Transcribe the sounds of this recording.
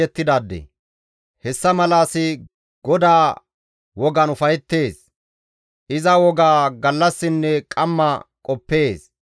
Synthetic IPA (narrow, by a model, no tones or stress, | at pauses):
ɛt̪ːɪd̪aːd̪ːɛ̰ | hɛsːɐmɐlaːsɪ | ɡ̥ɔd̪aː | wɔɡɐnʊfɐjɛt̪ːe̞ːs | ʔɪzɐwɔɡaːɡɐlːɐsːɪnːɛkʼɐmːɐkʼɔpːe̞ːs